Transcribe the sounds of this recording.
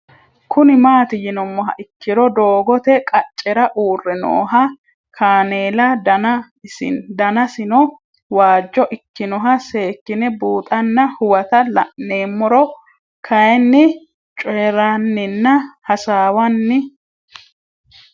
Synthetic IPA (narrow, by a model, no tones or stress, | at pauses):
kʰʊnɪmaːt̪ɪjɪnɔmːɔɦɐ̰ʔɪkːɪɾɔd̪oːɡɔt̪ɛkʼɐt͡ʃʼːɛɾɐʔuːrːɛno̰ːɦɐ | kʰaːneːlɐdnɐ | ɪd̪ɐnɐsɪnɔ | waːd͡ʒːɔʔɪkːɪnɔɦɐse̞ːkːɪnɛbuːt̪ʼɐnːɐhʊwɐt̪ɐlɐ̰ʔnːeːmːɔɾɔ | kʰɐjɛnːɪ | t͡ʃʼeːɾanːɪnːɐhɐsaːwɐnːɪ